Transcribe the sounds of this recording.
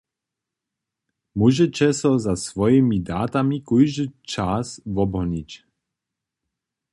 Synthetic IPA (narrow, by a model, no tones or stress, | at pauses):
muʒɛt͡ɕɛsɔzasvɔjɛmid̪aːt̪amikujʒət͡ʃasvɔbɦɔɲic